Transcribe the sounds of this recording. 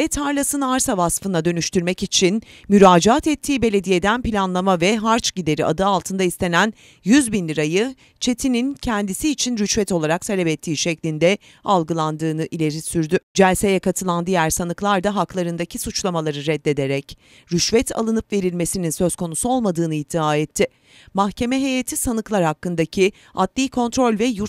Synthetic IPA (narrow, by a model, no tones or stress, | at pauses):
ɛt̪ʰaɾlʲˠasɯnɯaɾsavasfɯnad̪ø̞nyʃt̪yɾmɛcit͡ʃʰinmyɾaːd͡ʒaat̪ɛt̪ʰːiːbe̞lʲe̞d̪ije̞d̪ænpilʲanlˠamavɛɦaɾt͡ʃɟid̪e̞ɾiʔa̰d̪ɯalˠt̪ʰɯnd̪aist̪ʰe̞næn | jyzbinlʲiɾajɯ | t͡ʃʰe̞t̪ʰinincʰɛnd̪isiːt͡ʃʰinɾyʃvɛt̪o̞lˠaɾakt̪ʰalʲɛbɛt̪ʰːiːʃɛclʲind̪ɛ | alˠɡɯlˠand̪ɯːnɯʔilʲe̞ɾisyɾd̪yd͡ʒɛlʲse̞jɛkat̪ʰɯlˠand̪ijæɾsanɯklˠaɾd̪aɦaklˠaɾɯnd̪acʰisut͡ʃlˠamalˠaɾɯɾɛd̪ːe̞d̪e̞ɾɛc | ɾyʃvɛt̪ʰa̰lˠɯnɯpve̞ɾilʲme̞sininsø̞z̥kʰo̞nusuo̞lˠmad̪ɯːnɯid̪iaːɛt̪ʰːɪ | mahcʰe̞mɛɦe̞jat̪ʰisanɯklˠaɾhakːɯnd̪acʰi | at̪lʲiːkʰo̞nt̪ɾo̞lʲvɛjuɾ